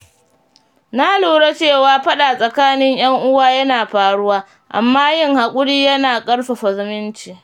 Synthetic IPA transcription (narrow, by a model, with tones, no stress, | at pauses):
na˦luː˨ɽe˦t͡ʃeː˦˨waː˦ɸɐ˦ɗa˨sʼɐ˨kaː˦nɪ˦ɲj̰ɐ˦ŋʔʊ˦waː˦jɐ˦naː˨ɸaː˨ɽʊ˦waː˦ | ʔa̰˨mːaː˦jɪ˦ŋha˨kʷʼʊ˦ɽiː˦jɐ˦naː˨kʼɐ˦ɽɸa˨ɸɐ˨zʊ˨mɪ˦nt͡ʃiː˨